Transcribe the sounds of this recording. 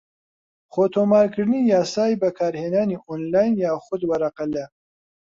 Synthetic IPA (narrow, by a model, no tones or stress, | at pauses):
χoːt̪ʰoːmaːɾkʰɨɾnijaːsaːjbɐkʰaːɾheːnaːniʔonlaːjnjaːxʊd̪wɐɾɐqɐlɐ